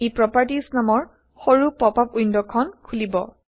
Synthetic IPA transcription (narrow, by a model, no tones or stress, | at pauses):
epɹɔpaɹtisnamɔɹ | xoɹupɹɔpapujndɔkʰɔnkʰulibɔ̰